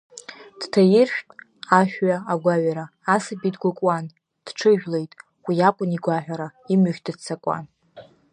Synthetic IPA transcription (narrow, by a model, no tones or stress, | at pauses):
d̥tʰajɪrʃᶣtʼ | aʃᶣɥaaɡʷaɥʷaɾaːsabidɡʷakʷʼwan | d̥ʈ͡ʂʰɨʒᶣle̞jtʼ | wiakʷʼʊniɡʷaħʷᶣaɾaimʏʒʲdɨdt͡sʰakʷʼa̰n